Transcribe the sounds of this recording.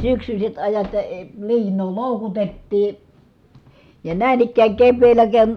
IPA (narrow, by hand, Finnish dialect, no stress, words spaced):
syksysʲet ɑjɑt jɑ əː liːnˑoː loˑukutetːiː jɑ næˑin ikːæːŋ keʋːeːlːæ ken